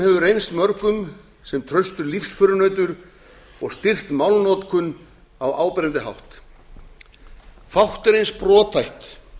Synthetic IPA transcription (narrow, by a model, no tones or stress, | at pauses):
hɛvʏɾejnst̪mœɾkʏm | sɛmt̪ʰɾœɥst̪ʏɾlifsfʏɾʏnœːɥt̪ʏɾ | ɔɣst̪ɪr̥t̪mawlnɔːt̪kʰʏn | awa̰ːwpɪɾɪnt̪ɪɦa̰wht̪ | fawht̪ɛɾejnspɾɔːt̪ʰfajht̪